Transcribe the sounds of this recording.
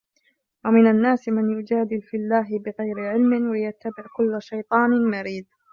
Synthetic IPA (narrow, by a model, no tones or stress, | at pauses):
wamɪnanːaːsmanjʊd͡ʒaːd̪ɪlfilːaːɦɪbɪɣajɾɪʕɪlmɪwlɪjat̪ːabɪʕkʊlːʃajt̪ˤɑːnɪmaɾiːd̪̚